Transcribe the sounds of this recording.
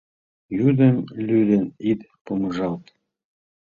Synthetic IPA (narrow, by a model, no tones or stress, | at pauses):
jyd̪ə̆mlyd̪ə̆nit̪ | poməʒɑlt̪